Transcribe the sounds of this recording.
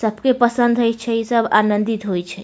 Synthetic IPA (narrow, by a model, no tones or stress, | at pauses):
səbʱkepəsənd̪ʱəjt͡ʃʰɛisəba̰nənd̪it̪ɦojt͡ʃʰɛ